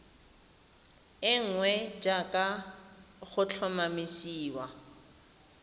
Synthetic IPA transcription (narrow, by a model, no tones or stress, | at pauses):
ɪŋ̩ŋwɛd͡ʒakʼa | χʊt͡ɬʰɔmamisiːwa